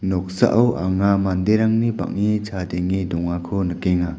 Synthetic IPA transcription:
nɔk̚sa̰ʔawʔa̰ŋamandeɾaŋniba̰ŋːit͡ʃʰadeŋidɔŋakʰɔnəkeŋa

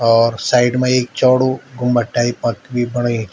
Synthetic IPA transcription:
ɔːɾsaːɪɖmẽeːk̚t͡ʃɔːɽoɡʱʊmbɐʈːaːipɐt̪bʱibɐɽ̃əe

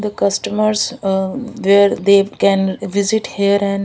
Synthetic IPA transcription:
d̪əkɐsʈəməɾs | ʋeːɾd̪eːkɛ̃nʋɪzɪʈhiəɾɛ̃n

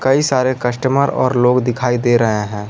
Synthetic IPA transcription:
kɐisaːɾekɐʃʈəməɾɔ̰ːɾloːɡd̪ɪkʰaːid̪eːɾɐɦeɦɛ̃ː

